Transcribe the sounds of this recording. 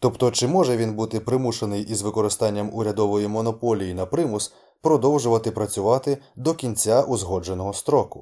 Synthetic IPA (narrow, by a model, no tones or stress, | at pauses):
t̪ɔpt̪ɔt͡ʃɪmɔʒɛʋʲinbut̪ɪpɾɪmuʃenɪjʔizʋɪkɔɾɪst̪ɑnʲːɐmʊɾʲɐd̪ɔʋɔjimɔnɔpɔlʲijinɐpɾɪmʊs | pɾɔd̪ɔwʒʊʋɐt̪ɪpɾɐt͡sʲʊʋɑt̪ɪd̪ɔkʲinʲt͡sʲaʔuzɦɔd͡ʒe̞nɔɦɔst̪ɾɔkʊ